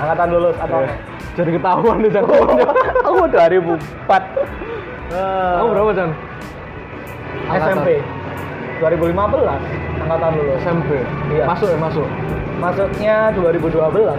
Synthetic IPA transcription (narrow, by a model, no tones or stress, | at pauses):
aŋkat̪anlulʊsat̪aw̥ | d͡ʒ̥adikət̪aɦuandet͡ʃannaakuduaɾibu | pat̪̚ | əbəɾapat͡ʃan | aɛɛmpe | d̥uaɾibulimabəlasaŋkat̪anlulʊsɛmpejamasʊmasʊk | masʊk̚ɲaduaɾibuduabəla